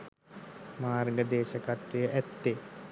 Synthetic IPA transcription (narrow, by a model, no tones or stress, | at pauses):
maːɾŋɡəd̪eːʃəkat̪ʋijəʔæt̪ːe